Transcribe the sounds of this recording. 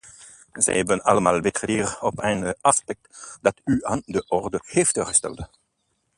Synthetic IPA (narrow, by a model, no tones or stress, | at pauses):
zɛ̰jhɛbənɑləmaːlˠbɪtədiːrɔpɛnəɑspɛk̚td̥ɑtyɑndəʔɔrdəheːftøːʁəstɛ̰lˠt